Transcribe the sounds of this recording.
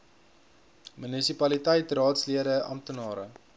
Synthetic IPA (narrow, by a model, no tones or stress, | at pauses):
mynisipɐlitəjtrɑːtsliəɾəɐ̰mtənɑːɾə̰